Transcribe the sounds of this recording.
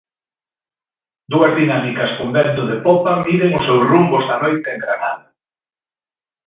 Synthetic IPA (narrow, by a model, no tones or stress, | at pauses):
d̪uɐzðinamikɐskund̪ent̪ʊðepopamiðeŋʊsewsrumbozðanojt̪eeŋɡɾanaða